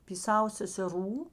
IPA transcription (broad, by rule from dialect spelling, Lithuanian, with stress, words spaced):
pʲiː ˈsɑːʋoː sʲɛsʲɛˈruː